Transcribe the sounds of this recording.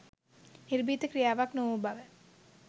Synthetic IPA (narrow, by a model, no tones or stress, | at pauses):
niɾbiːt̪əkɾijaːʋaknoʋubaʋə